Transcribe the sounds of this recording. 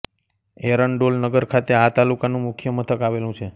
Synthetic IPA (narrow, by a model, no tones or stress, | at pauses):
eɾəɳɖolnəɡəɾkʰat̪eat̪alukanũmʊkʰjəmət̪ʰəkaʋelũt͡ʃʰe